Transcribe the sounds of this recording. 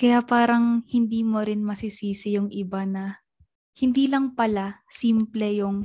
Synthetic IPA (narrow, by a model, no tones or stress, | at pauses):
kɐjapaːɾɐŋhɪnd̪iːmoɾɪnmɐsisiːsɪjʊŋʔɪbanɐ | hɪnd̪iːlɐŋpɐla | siːmplɛjʊŋ